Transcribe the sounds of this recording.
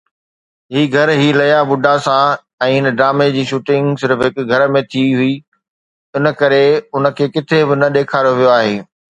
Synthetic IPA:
ɦiːɡʱɐɾɦiːlɐjabʊɖʱasã | ɛ̃ːɪnə̆ɖɾaːmed͡ʑiːʃuːʈɪ̃ŋɡsɪɾfɦɪkɡʱɐɾəmẽt̪ʰiɦʊi | ʊnə̆kɐɾeʊnə̆kʰeːkɪt̪ʰebɪnɐɗeːkʰaːɾoʋijoaːɦeː

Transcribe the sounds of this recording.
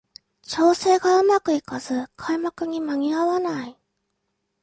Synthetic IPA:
t͡ɕo̞ːse̞ːɡaɯ̟makɯ̟ikaz̥ɨkʰaimakɯ̟ɲ̟imaɲʲiaβanai

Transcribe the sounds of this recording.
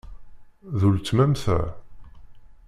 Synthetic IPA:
ðult͡sːmæmθæ̰

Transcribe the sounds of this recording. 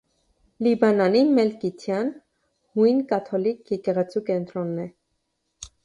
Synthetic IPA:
libɑnɑnimɛlkit̪ʰjɑn | hujnkɑt̪ʰɔlikʰjɛkɛʁɛt͡sʰukɛnt̪ɾɔnːɛ

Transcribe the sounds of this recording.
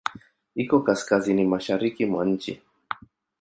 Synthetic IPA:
ikɔkaskazinimaʃaɾikimwaɲ̩t͡ʃḭ

